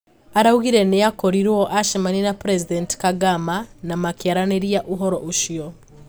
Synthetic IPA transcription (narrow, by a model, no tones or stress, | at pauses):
aɾauɣiɾɛnɛakɔɾiɾwɔʔaʃimaninapɾɛzidɛntkaɡamanamakiaɾaneɾijaʔuɦɔɾɔʔuʃiɔ